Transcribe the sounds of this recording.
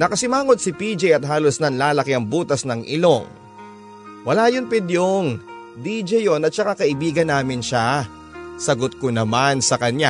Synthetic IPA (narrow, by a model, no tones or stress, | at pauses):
nɐkɐsɪmaːŋo̞d̪̚sɪpiːd͡ʒɛjɐt̪̚ɦaːlosnɐnlaːlɐkɪɐŋbuːt̪ɐsnɐŋʔɪlo̞ŋ | wɐlaːjonpɪd̪joŋ | d̪iːd͡ʒɛjonɐt̪̚t͡ʃɐkakɐʔɪbiːɡɐnːaːmɪnʃa | sɐɡot̪̚konɐmansɐkɐɲa